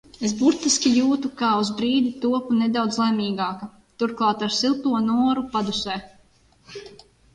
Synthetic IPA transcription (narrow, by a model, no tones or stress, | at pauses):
es̬buɾt̪iskʲijuːt̪ukaːuzbɾiːd̪it̪uɔpuned̪awd̪zlˠɛmiːɡaːka | t̪uɾklˠaːt̪aɾsilˠt̪uɔnuɔɾupad̪usɛː